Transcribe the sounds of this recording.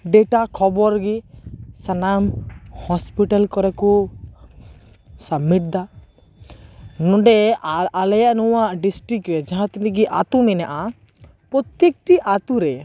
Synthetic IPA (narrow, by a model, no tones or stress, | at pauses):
ɖɛʈakʰɔbɔɾɡisanamhɔspiʈalkɔɾɛku | samiʈ̚d̪a | nɔ̃ɖɛalɛjaʔnɔwaʔɖisʈɾikɾɛd͡ʒaɦãt̪inɛ̃ɡiʔa̰t̪umɛnaʔa | pɾɔt̪jek̚ʈiʔat̪uɾɛ